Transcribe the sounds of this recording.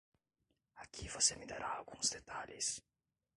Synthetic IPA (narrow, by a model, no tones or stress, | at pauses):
akʰivosemid̪aɾaːlɡũzd̪et̪alḭs